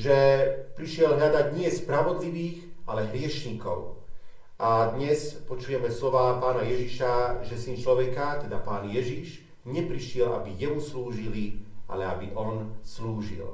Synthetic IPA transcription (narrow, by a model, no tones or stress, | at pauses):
ʒɛpɾiʃɪɛlɲad̪aɟɲɪɛspɾaʋɔd̪liʋiːɣʔalɛɦɾɪɛʃɲikɔ̰ʊ | ʔad̪ɲɛspɔt͡ʃujɛmɛslɔʋaːpaːnajɛʒiʃaʒɛsint͡ʃlɔʋɛkat̪ɛd̪apaːnjɛʒiʃ | ɲɛpɾiʃɪɛlʔa̰bijɛmusluːʒiliʔa̰lɛabiʔɔnsluːʒḭl